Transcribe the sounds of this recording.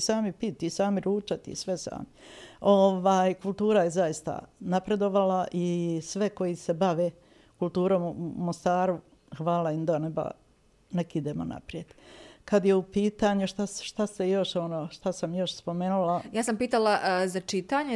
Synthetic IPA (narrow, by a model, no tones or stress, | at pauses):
saːmipit̪isaːmiɾuːt͡ʃat̪ḭsʋesa̰ːmio̞ʋaːjkulˠt̪uːɾajezajist̪a̰napɾe̞d̪o̞ʋalaʔisʋe̞ko̞jise̞baʋe̞ː | kulˠt̪uːɾo̞ːmumo̞st̪aːɾu | xʋaːlaimd̪aneba̰ | nekid̪eːmo̰na̰pɾije̞d̪kad̪je̞upiːt̪aɲuʃt̪aʃt̪ast̪ejo̞ʃo̞no̞ːʃt̪asamjo̞ʃspo̞meːnulajaːsampiːt̪alˠazat͡ʃit̪aːɲe